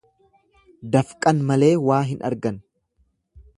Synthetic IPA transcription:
d̪ɐfkʼɐnmɐle̞ːwaːɦɪnʔɐ̰ɾɡɐn

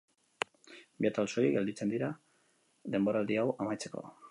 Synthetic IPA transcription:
biat̪also̞ɾiɡe̞ld̪it͡se̞nd̪iɾa | ðe̞mbo̞ɾald̪iawamajt͡se̞̥ko̞̰

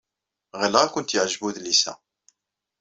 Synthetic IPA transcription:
ʁilʁakʷʊnt̪jəʕʒbuðlisæ̰

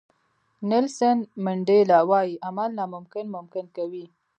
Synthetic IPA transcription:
nɪlsanmɪɳɖelɑwɑjiʔamalnɑmʊmkɪnmʊmkɪnkawi

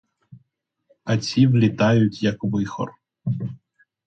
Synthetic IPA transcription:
ɐt͡sʲiʋlʲit̪ɑjʊtʲjɐkʋɪxɔ̰r

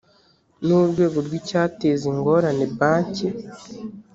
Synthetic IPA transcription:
nuɾɡwe̞ːɡoɾɡwicaːteziŋɡo̞ɾanebaːɲci

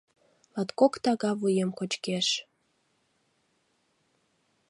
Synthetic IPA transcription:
lɑt̪kokt̪ɑɣɑvujemkot͡ɕkeʃ

